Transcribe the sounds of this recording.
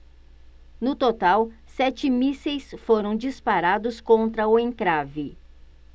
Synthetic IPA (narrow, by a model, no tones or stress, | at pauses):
nʊt̪ot̪awsɛt͡ʃɪmisejsfoɾɐ̃w̃d͡ʒispaɾad̪ʊskõnt̪ɾɐʊẽŋkɾavɪ